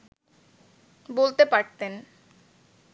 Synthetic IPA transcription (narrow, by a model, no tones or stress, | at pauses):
bolt̪epaɾt̪en